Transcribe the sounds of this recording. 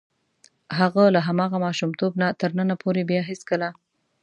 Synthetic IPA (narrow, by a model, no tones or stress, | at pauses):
ɦaɣalaɦamɑɣamɑʃumt̪obnat̪əɾnənapʰoɾebjɑɦɪskəla